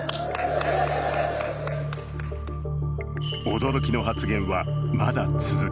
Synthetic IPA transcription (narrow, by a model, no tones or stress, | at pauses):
o̞d̪o̞ɾo̞kʲino̞ɦat͡sɨɡẽ̞ɰ̃βamad̪at͡sɨzɨ